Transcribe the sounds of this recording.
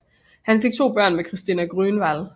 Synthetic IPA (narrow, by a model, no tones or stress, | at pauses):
hænfe̝ɡ̥̚t͡sʰo̝̰ːb̥ɶɐ̰nmekʰʁisd̥inæɡ̥ʁynʋæl